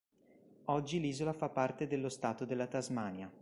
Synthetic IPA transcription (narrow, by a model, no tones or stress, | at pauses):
ɔd͡ʒːiliːzolafapːart̪ed̪elːost̪aːt̪od̪elːat̪azmaːnja